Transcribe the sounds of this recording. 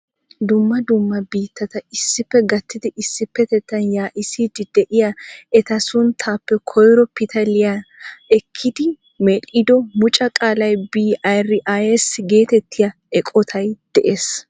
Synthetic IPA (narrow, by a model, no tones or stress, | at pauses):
d̪ʊmːɐd̪ʊmːɐbiːt̪ːɐt̪ɐɪsːɪpːɛɡɐt̪ːɪd̪ɪʔɪsːɪpːɛt̪ɛt̪ːɐnjaːʔɪsid̪ɪd̪ɛʔɪjɐɛt̪ɐsʊnt̪ʰaːpːɛkʰɔjɾɔpɪt̪ʰɐlɪjaɛkʰːɪd̪ɪ | mɛlɪd̪ɔmʊt͡ʃʼɐkʼaːlɐjbiːɐjrːɪʔajɛsɡe̞ːt̪ɛt̪ʰːɪjɐ | ɛkʼɔt̪ʰɐjd̪̥ɛʔeːs